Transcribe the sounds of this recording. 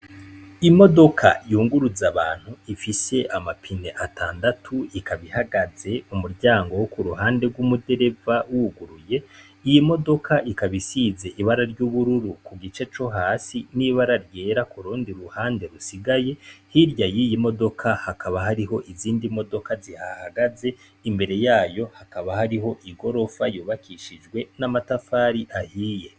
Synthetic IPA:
imo̞do̞kʰa̰juːŋɡuɾuzaβaːn̥huifise̞ʔamapʰine̞ʔatʰaːndatʰuikaβihaɡaze̞umuɾɟaːŋɡo̞wokuɾuɦaːnde̞ɡwumude̞ɾe̞vawuɡuɾuje̞ | ijimo̞do̞kʰaʔikaβisize̞ʔiβaɾaɾɟuβuɾuɾukuɡit͡ʃe̞t͡ʃo̞ɦaːsiniβaɾaɾje̞ɾakuɾuːndiɾuhaːnde̞ɾusiɡajehiɾjajijimo̞do̞kʰahakaβaɦaɾiɦo̞ʔiziːndimo̞do̞kazihahaɡaze̞ | imbe̞ɾe̞jaːjo̞hakaβahaɾiɦo̞ʔiɡo̞ɾo̞fajuːβakʰiʃid͡ʒɡwe̞namatafaːɾiʔahiːje̞

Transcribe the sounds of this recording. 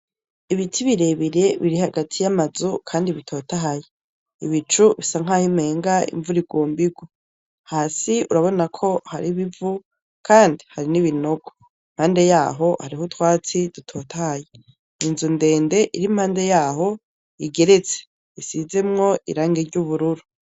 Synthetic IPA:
iβitʰiβiɾe̞βiɾe̞βiɾihaɡatʰijamazukʰaːndiβitʰo̞taɦaje | ḭβit͡ʃuβisaŋ̥ahime̞ːŋɡaḭɱvuɾiɡwoːmbiɡwo | haːsiuɾaβo̞nakʰo̞haɾiβivu | kʰaːndihaɾiniβino̞ɡo | im̥haːnde̞jaːɦo̞haɾihotwaːt͡sidutʰo̞tahaje | inzunde̞ːnde̞ʔiɾim̥haːnde̞jaːɦo̞ | iɡe̞ɾe̞t͡se̥ | isize̞mŋo̞ḭɾaːŋɡeɾɟuβuɾuɾu

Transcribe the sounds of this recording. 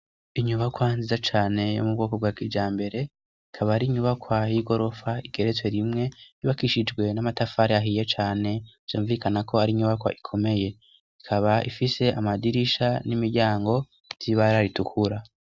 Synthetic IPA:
iɲuβakwanzizat͡ʃaːne̞jo̰mubɡo̞ːkobɡaːkid͡ʒaːmbe̞ɾe̞ | ikʰaβaaɾiɲuβakwajiɡo̞ɾo̞faiɡ̥e̞ɾetwe̞ɾimŋe̞iβakiʃid͡ʒɡwe̞namatafaɾeaɦije̞t͡ʃaːne̞v̥joːɱvikʰanako̞aɾiːɲuβakwa̰ʔikʰo̞me̞je̞ | ikʰaβaʔḭfise̞ʔamadiɾiʃanimiɾɟaːŋɡo̞ | z̥iβaɾaɾitukʰuɾa

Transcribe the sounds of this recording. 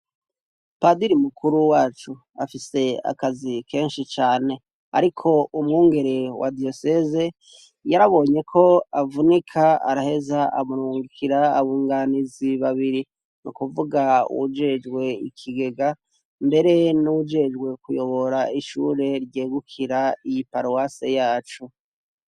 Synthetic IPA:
padiɾimukʰuɾuwaːt͡ʃu | a̰fise̞a̰kazikʰe̞ːnʃit͡ʃaːne̞ | a̰ɾikʰo̞umŋuːŋɡe̞ɾe̞wʔa̰dio̞seze | jaɾaβo̞ːɲe̞kʰo̞avunikʰaa̰ɾahe̞zaʔamuɾuːŋɡikʰiɾaːβuːŋɡaniziβaβiɾi | nukuvuɡaṵwud͡ʒe̞d͡ʒɡwe̞ḭkʰiɡe̞ɡa | mbe̞ɾe̞nuwud͡ʒe̞d͡ʒɡwe̞kujo̞βo̞ɾaiʃṵɾe̞ɾɟe̞ːɡukʰiɾaijipaɾowase̞jaːt͡ʃu

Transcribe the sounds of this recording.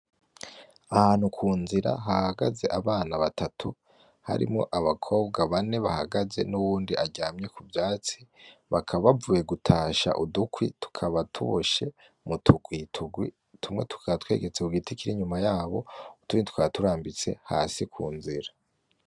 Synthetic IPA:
ahaːn̥hukʰuːnziɾa̰ɦahaɡaze̞ʔaβaːnaβatʰatʰu | ha̰ɾḭmŋo̞ʔaβakʰo̞ːbɡaβane̞βaha̰ɡaze̞̰nuwuːndiʔaɟaːmɲe̞kʰubjaːt͡siβakʰaβavuːje̞ɡutʰaːʃa̰ʔudukwitu̥kʰaβatʰṵβoʃe̞ | mutʰuɡwitʰuɡwi | tʰumŋe̞tʰu̥kʰaβatwe̞̰ːɡe̞t͡seuɡitikiɾiɲumajaːβo̞̰utuɡitu̥kwatuɾaːmbit͡se̞̰ha̰ːsikʰṵːnziɾa

